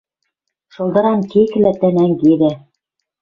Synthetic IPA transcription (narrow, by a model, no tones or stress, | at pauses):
ʃɤ̆lˠd̪ɤ̆ɾɑnkikɘ̆læt̪ænæŋɡiðæ